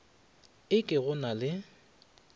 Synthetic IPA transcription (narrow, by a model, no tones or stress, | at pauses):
ɪkʼɪɣʊnalɪ